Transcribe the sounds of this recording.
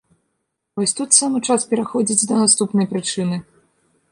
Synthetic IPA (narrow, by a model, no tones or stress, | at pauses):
vɔsʲt̪ut̪samɨt͡ʂaspʲɛɾaxɔd͡zʲid͡zʲd̪ɐnast̪upnɐjpɾɨt͡ʂɨnɨ